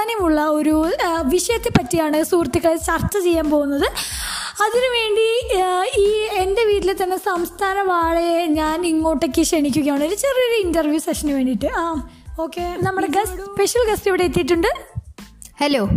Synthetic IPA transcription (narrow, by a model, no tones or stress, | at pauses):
aːnjɐmuɭːɐo̞ɾuʋiʂɐjɐt̪ːepːɐtːijaːɳɨsuːrt̪ːikːɐɭet͡ɕɐrt͡ɕːɐt͡ɕe̞jːaːnpo̞ːɣunːɐðɨ | ɐðinuʋe̞ːɳɖi | iːende̞ʋiːtːilet̪ɐnːe̞sɐmst̪ʰaːnɐʋaːɻeɲaːniŋːo̞ːʈːekːɨʂeɳikʲːuɣɐjaːɳiɾut͡ɕerioɾɐindɐrʋjuːsekʂɐnuʋe̞ːɳɖiʈːɨaːm | o̞ːkːenɐmːɐɽeɡɐsspeʂjɐlɡɐstiʋiɽe̞et̪ːiʈ̬ːuɳɖɨ | heloː